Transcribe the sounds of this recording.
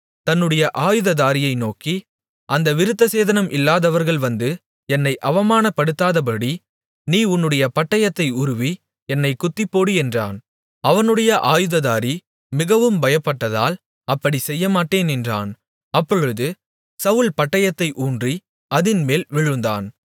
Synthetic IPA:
t̪ɐnːɯɽɐjɐʔaːjɯðɐðaːɾɪjɐɪnoːki | ʔɐnd̪ɐʋɪɾɯt̪ːɐseːðɐnɐmʔɪlːaːðɐʋɐɾɣɐɭʋɐnd̪ɯ | ɛnːɐɪʔɐʋɐmaːnɐpːɐɽɯt̪ːaːðɐp̬ɐɽi | niːʊnːɯɽɐjɐpɐʈːɐjɐt̪ːɐɪʊɾʊʋi | ɛnːɐɪkʊt̪ːɪpːoːɽɯɛndra̰ːn | ɐʋɐnɯɽɐjɐʔaːjɯðɐðaːɾi | mɪɣɐʋɯmbɐjɐpːɐʈːɐða̰ːl | ɐpːɐɽisɛjːɐmaːʈːeːnɛndra̰ːn | ɐpːɔɻɯðɯ | sɐʋɯɭpɐʈːɐjɐt̪ːɐɪʔuːndri | ɐðɪnmeːlʋɪɻɯnd̪a̰ːn

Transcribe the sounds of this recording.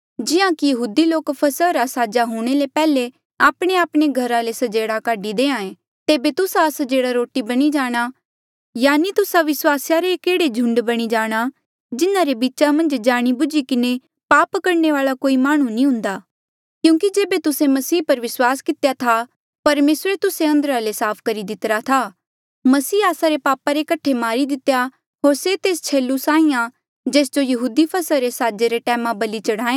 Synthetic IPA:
d͡ʒɪãkijɐɦuːd̪iloːkpʰɐsəɾasaːd͡ʒaɦuːɽ̃elepɛːle | aːpɽ̃eaːpɽ̃eɡʱɐɾalesɐd͡ʒeːɽakaːɖid̪eːãːẽ | t̪eːbet̪ʊsasd͡ʒeːɽaɾoːʈibɐɽ̃id͡ʒaːɽ̃a | jaːnit̪ʊsaʋɪswaːsjaɾekeːɽed͡ʒʱʊ̃ɳɖbɐɽ̃id͡ʒaːɽ̃a | d͡ʒɪnaɾebiːtːt͡ʃamɐ̃nd͡ʒd͡ʒaːɽ̃ibʊd͡ʒikɪne | paːpkɐɾɳeʋaːɭakoːimaːɽ̃ũnĩɦʊ̃nd̪aː | kjũːkid͡ʒeːbet̪ʊsẽmɐsiːpɐɾʋɪswaːskɪt̪jat̪ʰa | pɐɾmeːsɾet̪ʊseɐ̃nd̪əɾalesaːpʰkɐɾid̪ɪt̪ɾat̪ʰa | mɐsiːaːsaɾepaːpaɾekɐʈʰemaːɾid̪ɪt̪ja | ɦoːɾset̪eːst͡ʃʰeːlːusaːĩjã | d͡ʒeːsd͡ʒojɐɦuːd̪ipʰɐsəɾesaːd͡ʒeɾeʈɛ̃ːmãbɐlit͡ʃɐɽ̤ãːẽː

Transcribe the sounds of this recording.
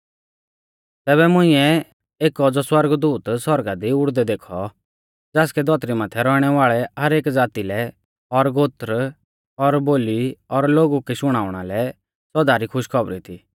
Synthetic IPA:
t̪ɛːβɛmʊ̃ɪ̃ɛ | eːkːɔd͡zɔswɐɾɡd̪uːt̪swɔɾɡad̪iʊɽd̪ɛd̪eːkʰɔ | d͡zɛːskɛd̪ɔt̪ɾimaːt̪ʰɛɾɔɽ̃ɛʋaːɭɛɦɐɾeːkd͡zaːt̪ilɛ | ɔɾɡoːt̪ɾ | ɔɾboːliɔɾloːɡukiʃʊɽ̃aːʋɽ̃alɛ | sɔd̪aɾikʰʊʃkʰɔbɾḭt̪ʰiː

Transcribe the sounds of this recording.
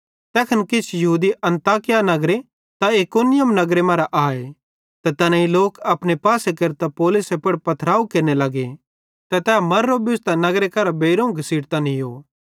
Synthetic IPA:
t̪ɛːkʰɐnkɪt͡ʃʰjɐɦuːd̪iɐ̃nt̪aːkɪjanɐɡɾe | t̪aekoːnɪjəmnɐɡɾemɐ̃ːɾaʔaːe | t̪ɐt̪ɐnãiloːkɐpñepaːsekeɾt̪apoːlʊsepɐɽpɐt̪ʰɾaːukeɾnelɐɡe | t̪ɛt̪ɛːmɐɾːobɪʊst̪anɐɡɾekɐɾabeːɾũːɡʱɐsiːɽt̪anijoː

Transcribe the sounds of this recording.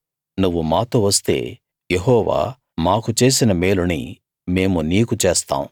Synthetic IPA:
nuʋːumaːt̪oːʋɐst̪e̞̰ː | jeɦɔːʋa̰ː | maːkut͡ʃe̞ːsinɐmeːlunḭ | me̞ːmuniːkut͡ʃeːst̪a̰ːmu

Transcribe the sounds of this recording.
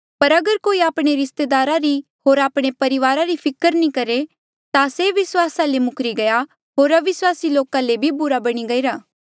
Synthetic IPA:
pɐɾɐɡəɾkoːiaːpɽ̃eɾɪst̪eːd̪aːɾaɾi | ɦoːɾaːpɽ̃epɐɾɪʋaːɾaɾipʰɪkəɾnĩkɐɾe | t̪aseʋɪswaːsãlemʊkʰɾiɡɐja | ɦoːɾɐʋɪswaːsiloːkãlebʱibʊɾabɐɽ̃iɡɐiɾaː

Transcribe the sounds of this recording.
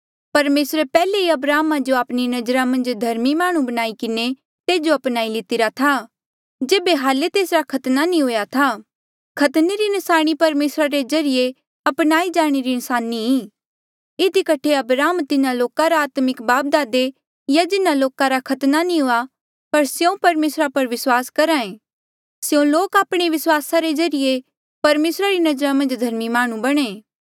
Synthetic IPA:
pɐɾmeːsɾepɛːleiɐbɾaːmad͡ʒoaːpninɐd͡ʒəɾamɐ̃nd͡ʒd̪ʱɐɾmimaːɽ̃ũbɐñaːikɪne | t̪eːd͡ʒoɐpnaːilɪt̪ɪɾat̪ʰa | d͡ʒeːbeɦaːlet̪eːsɾakʰɐt̪nanĩɦoːjat̪ʰa | kʰɐt̪neɾinɪsaːɽ̃ipɐɾmeːsɾaɾezɐɾɪje | ɐpnaːid͡ʒaːɽ̃eɾinsaːnːii | ɪd̪ikɐʈʰeɐbɾaːmt̪ɪnãloːkaɾaaːt̪mɪkbaːp̚d̪aːd̪e | jad͡ʒɪnaloːkaɾakʰɐt̪nanĩɦoa | pɐɾsjõpɐɾmeːsɾapɐɾʋɪswaːskɐɾaːẽː | sjõloːkaːpɽ̃eʋɪswaːsaɾed͡ʒɐɾije | pɐɾmeːsɾaɾinɐd͡ʒəɾamɐ̃nd͡ʒd̪ʱɐɾmimaːɽ̃ũbɐɽ̃eː

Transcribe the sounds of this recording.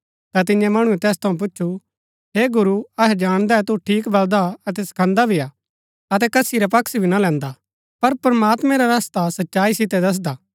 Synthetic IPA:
t̪at̪̬ɪ̃ɲjɛ̃mɐɽ̃uɛt̪ɛːst̪ʰɐũp̬ʊt͡ʃːʃʰu | ɦeːɡʊɾuɐɦɛd͡ʒaːɽ̃d̪aɛt̪uʈʰiːkbɐld̪aɐt̪̬ɛsɐ̥kʰɐ̃nd̪abʱiaː | ɐt̪̬ɛkɐsiɾapɐksbʱinalɛ̃ːnd̪a | pɐɾpɐɾmaːt̪mɛ̃ɾaɾast̪asɐtːʃaːisɪt̪ɛd̪ɐs̬d̪aː

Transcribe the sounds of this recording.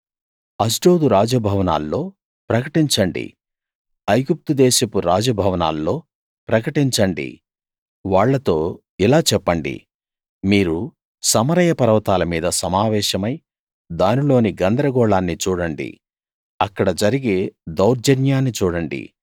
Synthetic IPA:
ɐsɖo̞ːd̪uɾaːd͡ʒɐbʱɐʋɐna̰ːlːo̞ː | pɾɐkɐʈiɲt͡ʃɐɳɖḭ | ɐjɡup̚t̪ud̪ɛːʃɐpuɾaːd͡ʒɐbʱɐʋɐna̰ːlːo̞ː | pɾɐkɐʈiɲt͡ʃɐɳɖḭ | ʋaːɭːɐt̪o̞ː | ilaːt͡ʃɛpːɐɳɖḭ | miːɾu | sɐmɐɾɐjɐpɐɾɐʋɐt̪aːlɐmiːd̪ɐsɐmaːʋɛːʃɐmɐj | d̪aːnilo̞ːniɡɐnd̪ɾɐɡɔːɭaːnːit͡ʃuːɽɐɳɖḭ | ɐkːɐɽɐd͡ʒɐɾiɡeːd̪ɐwɾd͡ʒɐnjaːnːit͡ʃuːɽɐɳɖḭ

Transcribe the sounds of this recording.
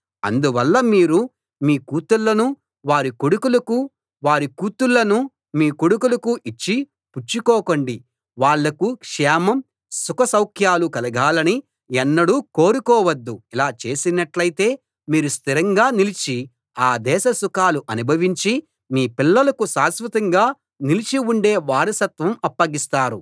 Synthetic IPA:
ɐ̰nd̪uʋɐlːɐmiːɾu | miːkuːt̪ulːɐnu | ʋaːɾikoɽukulɐku | ʋaːɾikuːt̪ulːɐnu | miːkoɽukulɐkuʔit͡ʃːi | put͡ʃːikɔːkoɳɖi | ʋaːɭːɐkukʂɛːmɐm | sukɐsɐwkʰjaːlukɐlɐɡaːlɐni | ɛnːɐɽuːko̞ːɾukɔːʋɐd̪ːuilaːt͡ʃe̞ːsinɐʈlɐjt̪e̞ː | miːɾust̪ʰiɾɐŋɡaːnilit͡ʃi | aːd̪ɛːʃɐsukaːluʔɐnubʱɐʋiɲt͡ʃi | miːpilːɐlɐkusaːsʋɐt̪ɐŋɡaː | nilit͡ʃiuɳɖe̞ːʋaːɾɐsɐt̪ʋɐmɐpːɐɡist̪aːɾu

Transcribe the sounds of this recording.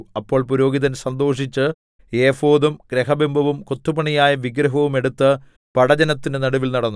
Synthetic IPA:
ɐpːo̞ːɭpuɾo̞ːɡiðɐnsɐnd̪o̞ːʂit͡ɕːɨ | eːfo̞ːðumɡ̥ɾeɦɐbembʱɐʋumko̞t̪ːubɐɳijaːjɐʋiɡɾɐɦɐʋume̞ɽut̪ːɨ | pɐɽɐd͡ʑɐnɐt̪ːinenɐɽuʋilnɐɽɐnːu

